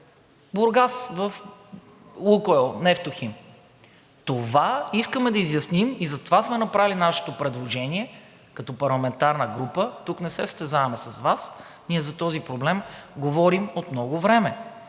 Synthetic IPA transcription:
boɾɡasvəfˠ | ukoɛlˠnɛft̪oxim | t̪ovaiskəmɛd̪ɐizjɐsnimizɐt̪ovasmɛnɐpɾavilinaʃɛ̥t̪opɾɛd̪lˠoʒɛniɛ | kɐt̪ɔpɐɾlˠɐmɛnt̪aɾnəɡɾupət̪uknɛsɛst̪ɛzavɐmɛsɐsvas | niɛzɐt̪ɔzipɾoblɛmɡovɔɾimot̪mnɔɡovɾɛmɛ

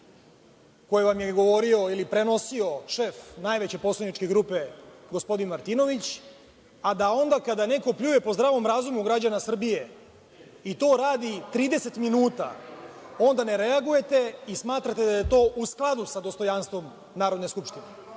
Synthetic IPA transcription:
ko̞jeʋamjeɡo̞ʋo̞ɾio̞ilipɾe̞no̞sio̞ʃefnajʋet͡ɕe̞po̞slˠaniʈ͡ʂke̞ɡɾuːpe̞ɡospo̞d̪inmaɾt̪ino̞ʋit͡ɕ | ad̪ao̞nd̪akad̪ane̞ko̞pʎuːjepo̞zd̪ɾaːʋo̞mɾaːzumuɡɾad͡ʑanasr̩bije | it̪o̞ːɾaːd̪it̪ɾiːd̪e̞se̞t̪minuːt̪a̰o̞nd̪aneɾe̞aɡuje̞t̪e̞ismaːt̪ɾat̪e̞d̪aje̞t̪o̞ːʔusklˠad̪usad̪o̞st̪o̞janst̪ʋo̞m | naːɾo̞d̪ne̞skupʂt̪ine

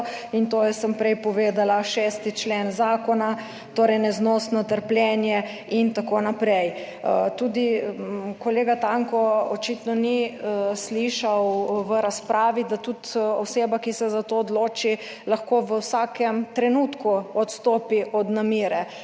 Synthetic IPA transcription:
int̪ojɛsəmpɾɛjpɔʋeːd̪alaʃɛst̪it͡ʃlenzaːkɔna | t̪oːɾɛjnɛznɔːsnɔt̪əɾplʲjɛnjɛ | int̪akonapɾɛj | t̪uːd̪ikɔleːɡat̪aŋkɔɔt͡ʃit̪nɔnisliʃawʋəɾaspɾʔaːʋid̪at̪ut̪ɔseːbakisɛzat̪oːd̪loːt͡ʃi | laxkoʋəwsakɛmt̪ɾɛnut̪kuɔt̪st̪oːpiʔɔd̪namiːɾɛ

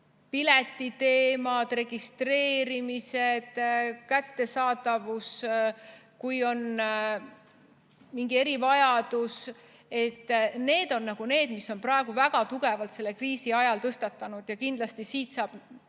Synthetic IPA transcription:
pilet̪ːˑit̪e̞ːmɑd̪̥re̞ɡ̥ist̪re̞ːɾimise̞d̪̥kæt̪ːe̞sɑːd̪ɑvus | kujo̞n | miŋɡ̥ie̞ɾivɑjɑd̪̥us | e̞t̪ːˑne̞ːd̪̥o̞nːɑɡ̥une̞ːd̪̥misːo̞nprɑeɡ̥uvæɡ̥ɑt̪uɡ̥e̞vɑlt̪se̞lːe̞kriːsiɑjɑlt̪ɤst̪ɑt̪ˑːɑnud̪̥jɑkind̪̥lɑst̪isiːt̪sɑːb̥

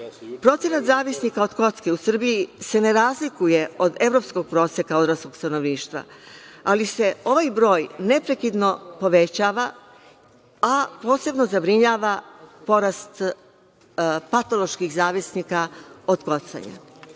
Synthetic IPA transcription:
pɾo̞t̪se̞nat̪zaːʋisnikao̞d̪ko̞t̪skeusr̩bijise̞ne̞ɾaːzlikuje̞o̞d̪e̞vɾo̞psko̞ɡ̚pɾo̞ːsekaod̪ɾasko̞ɡ̥st̪ano̞ʋniːʃt̪ʋa̰alise̞o̞ʋajbɾo̞ːjne̞pɾekid̪no̞po̞ʋe̞t͡ɕaːʋa | apo̞ːse̞bno̞zabɾiɲaːʋapo̞ɾast̪ | pat̪o̞lˠo̞ʃkixzaːʋisnikao̞d̪ko̞t̪sa̰ɲa̰

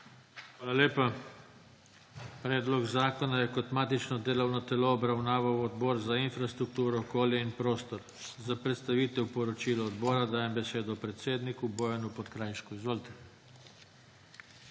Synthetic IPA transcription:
xʋaːlalʲeːpa | pɾɛːd̪lɔɡzaːkonajɛkot̪maːt̪it͡ʃnɔd̪eːlownɔt̪ɛlɔːbɾawnaːʋawɔd̪bɔːɾzainfɾast̪ɾuk̚t̪uːɾɔːkoːljɛinpɾoːst̪ɔɾ | zapɾɛt̪st̪aʋiːt̪ɛwpɔɾɔt͡ʃiːlɔːd̪bɔːɾad̪aːjɛmbɛseːd̪ɔpɾɛt̪seːd̪nikuboːjanupɔt̪kɾajʃkuizʋoːlit̪ɛ̥

